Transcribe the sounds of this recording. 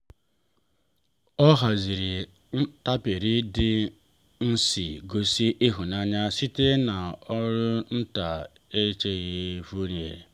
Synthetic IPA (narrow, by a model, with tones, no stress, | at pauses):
ɔ˦ɦa˨zi˨ɾi˨ | n̩˦ta˦pe˨ɾi˦dɪ˦ | n̩˦si˨ɡo˦si˦ʔɪ˦ɦu˨na˦ɲa˦si˦te˦na˨ɔ˦ɾʊ˦n̩˦ta˨ | e˦t͡ʃe˦ɣee˦vu˦ɾe˨